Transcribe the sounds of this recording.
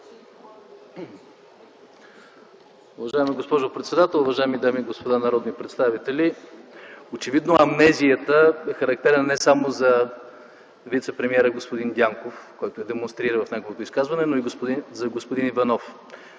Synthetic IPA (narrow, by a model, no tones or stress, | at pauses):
uvɐʒaimiɡospɔʒʊpɾɛt̪sɛd̪at̪ɛlˠuvɐʒaɛmid̪amiɡospod̪anɐɾɔd̪nipɾɛt̪st̪avit̪ɛli | ot͡ʃɛvid̪noɐmnɛzijət̪əɛxəɾɐk̚t̪ɛɾnənɛsamozɐ | vit̪sɛpɾɛmiɛɾəɡospʊd̪ind̪ʲjaŋkofkɔjt̪oɛd̪ɛmonst̪ɾiɾəvɐfnʲaɡovot̪oiskazvɐnɛnoiɡospʊd̪izɐɡospod̪inivɐnɔf